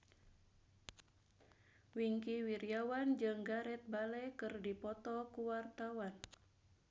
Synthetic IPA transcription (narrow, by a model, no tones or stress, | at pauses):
wiŋkiwiɾiawand͡ʒɨŋɡaɾɛt̪̚balɛkɨrdipɔt̪ɔkuwart̪awan